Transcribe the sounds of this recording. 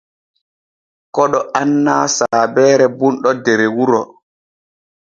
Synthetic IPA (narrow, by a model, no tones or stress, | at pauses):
kɔɗɔʔanːaːsaːbɛːɾɛbunɗɔdɛɾewuɾɔ